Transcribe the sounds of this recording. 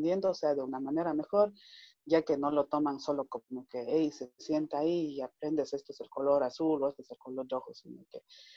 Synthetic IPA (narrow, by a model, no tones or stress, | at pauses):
nd̪je̞nd̪oseaðeunamane̞ɾame̞xo̞ɾ | ɟ͡ʝake̞no̞lo̞t̪o̞manso̞lo̞komoke̞ejise̞sje̞nt̪aaiːap̚ɾe̞nd̪ese̞st̪oeselko̞lo̞ɾasuloest̪oese̞lkolo̞ɾɾoxosinoke